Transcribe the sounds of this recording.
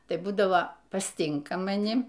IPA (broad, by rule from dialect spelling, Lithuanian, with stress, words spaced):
tɐɪ ˈbuːdɐʋoː pɐsʲˈtʲɪŋkɐ mɐˈnʲɪ